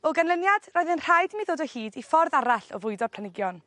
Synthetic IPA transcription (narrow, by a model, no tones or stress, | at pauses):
ɔɡanlənjad̥rɔjðɪnr̥ajdmiðoːdɔhiːdifɔrðaɾaɬɔ̰vʊɨdɔpʰl̥ˠanɪɡjɔn